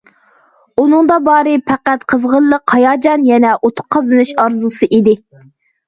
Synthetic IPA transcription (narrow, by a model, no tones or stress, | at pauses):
unɨŋd̪ɑbɑːɾɨpʰæqæt̪qʰəzʁəlˠːəqhɑjɑːd͡ʒɑnjɛnɛʔot̪ʰʊ̥q̚qʰːɑzɨnɨʃɑɾzusɨʔid̪ɪ